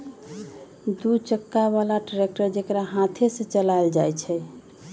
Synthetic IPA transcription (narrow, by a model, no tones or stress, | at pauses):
d̪ut͡ʃəkːaβalaɖɾek̚ʈəɾd͡ʒekɾaɦãt̪ʰesẽt͡ʃəlajld͡ʒajt͡ʃʰɛ